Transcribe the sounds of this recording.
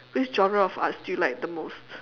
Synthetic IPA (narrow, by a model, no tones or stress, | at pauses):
wisd͡ʒɔ̃nɹəɔfasdulaɪk̚d̪əmost